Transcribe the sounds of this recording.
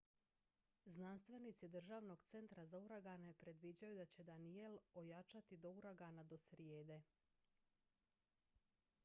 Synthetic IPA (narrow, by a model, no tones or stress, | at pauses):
znanst̪ʋe̞nit̪sid̪r̩ʒaʋno̞ɡt̪se̞nt̪ɾazauɾaɡanepɾe̞d̪ʋid͡ʑajud̪at͡ɕe̞d̪anie̞lojat͡ʃat̪id̪o̞uɾaɡanad̪o̞sɾjeːd̪e̞